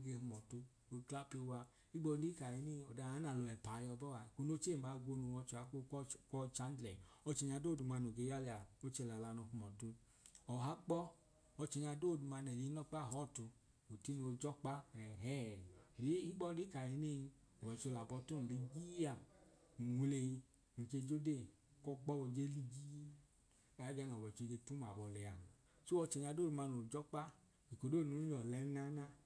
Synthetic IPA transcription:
o˧ɡe˧hu˧mɔ˨tu˧ | o˧kla˦pi˧o˧wa˧ | i˦ɡ͡bɔ˧li˦ka˨ɾi˨˧˦ne˦˧ɔ˨da˨˧˨a˨˦na˨lɔ˧ɛ˨pa˨˧jɔ˧bɔ˦a˧˨ko˧no˦t͡ʃe˦˨ma˨˦ɡo˧nu˧˨wɔ˧t͡ʃu˧˨a˨˦ko˦kɔ˦t͡ʃa˦n˦dlɛ˨ɔ˧t͡ʃɛ˧ɲa˧doː˦˨du˨ma˧no˨ɡe˨˧˦ja˦li˧a˨no˦t͡ʃe˧˨la˨la˧no˧ɦu˧mɔ˨tu˧ | ɔ˨ɦa˦k͡pɔ˦ | ɔ˧t͡ʃɛ˧˨ɲa˧doː˦˨du˧ma˧nɛ˨ji˨˧˦nɔ˦k͡pa˦˨ɔ˦˨tu˧ | o˨ti˦no˧d͡ʒɔ˦k͡pa˦ɛ˨ɦɛ˦˨ɾi˨˦hi˦ɡ͡bɔ˦di˨˦ka˨e˨˦ne˦˨ji˧ | o˨wɛ˨t͡ʃo˧la˨bɔ˧to˦n˨li˧ɡi˦a˨ | wʷu˨˧le˧ji˧ | nu˨t͡ʃe˧˨d͡ʒo˦de˦˨ | kɔ˦k͡pɔ˦o˧d͡ʒe˦li˧ɡi˦ | a˨˦d͡ʒa˧nɔ˨wɛ˨t͡ʃo˧˨d͡ʒe˧tu˦m˨a˨bɔ˨lɛ˨a̰˨ | so˦ɔ˧t͡ʃe˨ɲa˧do˦˨u˧ma˧no˨d͡ʒɔ˦k͡pa˦ | i˨ko˨do˦˨no˨˦ɲɔ˨lɛ˨˦na˦na˦

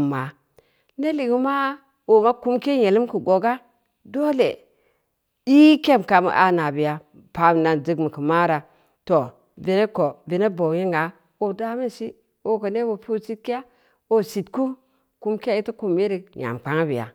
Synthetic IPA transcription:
mːa˨ | ne˦li˨ɡi˦ma˦ | wo˨ma˦ku˦mke˦je˨li˦mki˨ɡo˨ɡa˦ | do˦lḛ˨ | i˦ke˦m˨ka˨mḭ˨ʔa̰˨na˨bi˨ja˨ | pa˨m˨na˨nd͡ʒi˦ɡmi˨ki˨ma˦ɾa˨ | to˨ | vi˨ne˦ko˨vi˨ne˦bo˨je˦ŋa˨˦ | o˨da˦mi˦nsi˦ | o˦ko˨ne˦bo˨pu˦si˦t̚ki˦ja˦ | o˦si˨t̚ku˦ | ku˦mki˦a˦i˦ti˦ku˨mːe˦ɾi˨ɲa̰˨m˨k͡pa˦ŋa˦bḭ˨ja̰˨

